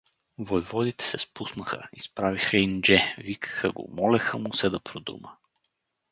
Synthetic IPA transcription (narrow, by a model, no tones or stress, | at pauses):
vojvɔd̪it̪ɛ̥sɛspusnəxə̰ispɾavixəind͡ʒɛvikə̥xə̰ɡo̰mɔlɛxəmʊsɛd̪ɐpʰɾod̪ṵmə